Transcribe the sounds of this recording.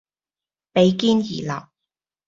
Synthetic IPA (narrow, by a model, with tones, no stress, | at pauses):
pe˨˧˥jkiː˥njḭː˨˩lɐ̰˨˩w̚